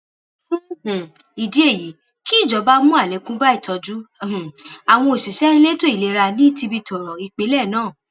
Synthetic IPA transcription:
i˨di˨˦e˦˨ji˨˦ | ki˦˨d͡ʒɔ˨˦ba˦mũ˦a˦˨lɛ˨˦kũ˦ba˦i˦˨tɔ˧d͡ʒũ˦˨a˨w̃ɔ̃˧o˨si˨ʃɛ̃˦le˦to˦i˨le˨˧˦ɾa˧nĩ˦ti˧bi˧tɔ˨ɾɔ˨i˨k͡pe˨˦lɛ˦˨nãː˦˨

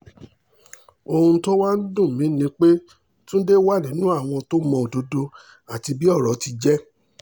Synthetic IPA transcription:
o˧hũ˧to˦wa˦n̩˦dũ˦˨mĩ˨˦nĩ˧˦k͡pe˦ | tũ˦de˦wa˦˨li˨˦nũ˦a˦˨w̃ɔ̃˧to˦mɔ̃˧o˨do˨˦do˧ | a˨ti˧bi˦ɔ˦˨ɾɔ˨˦ti˧d͡ʒɛ˦

